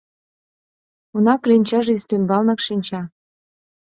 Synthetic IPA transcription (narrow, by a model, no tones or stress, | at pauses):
unɑklinʲt͡ɕɑʒĕyst̪ymbɑlnɤ̆kʃinʲt͡ɕɑ